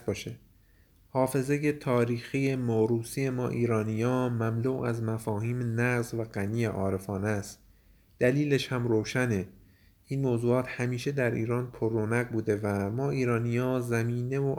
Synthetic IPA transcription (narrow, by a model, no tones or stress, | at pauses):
bɒːʃe | hɒːfe̞ze̞je̞t̪ʰɒːɾiːxije̞moɾuːsiːe̞mɒ̰ːʔiːɾɒːnijɒːmæmluːæzmæfɒːhiːmnæɣzvæɢæniːjeʔɒːɾe̞fɒːnest̪ | d̪̥æliːleʃhæmɾoːʃæne | iːnmoːzuːɒːt̪hæmiːʃe̞d̪æɾʔḭːɾɒːnpʰorːonæɣbuːd̪e̞væmɒːʔiːɾɒːnijɒːzæmiːne̞vo